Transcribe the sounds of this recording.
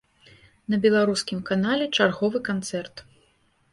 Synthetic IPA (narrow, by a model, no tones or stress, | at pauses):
nɐbʲɛlˠaɾuskʲimkanalʲɛt͡ʂarɣɔvɨkant̪sɛrt̪